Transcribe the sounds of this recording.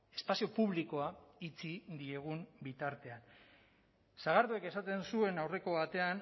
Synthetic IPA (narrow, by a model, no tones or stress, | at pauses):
e̞spasio̞puβliko̞ait͡sid̪ie̞ɣ̞umbit̪aɾt̪e̞an | saɣ̞aɾðue̞ke̞sat̪e̞nsue̞nawre̞ko̞βat̪e̞an